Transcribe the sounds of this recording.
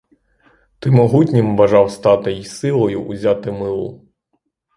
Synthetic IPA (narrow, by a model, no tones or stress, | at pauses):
t̪ɪmɔɦutʲnʲɪmʋɐʒɑwst̪ɑt̪ɪjisɪlˠɔjʊʔːzʲat̪ɪmɪlˠʊ̰